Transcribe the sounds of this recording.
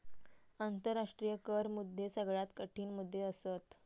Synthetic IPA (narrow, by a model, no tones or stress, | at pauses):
ant̪əɾːaʂʈɾijəkəɾmud̪ʱːesəɡɭat̪kəʈʰiːnmud̪ʱːeəsət̪